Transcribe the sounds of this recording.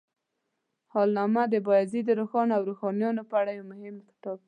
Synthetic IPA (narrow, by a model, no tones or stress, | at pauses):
hɑlnɑmad̪əbɑjzid̪əɾoxɑnawɾoxɑnjɑnopəaɽajawmʊhɪmxɪ̥t̪ɑb̚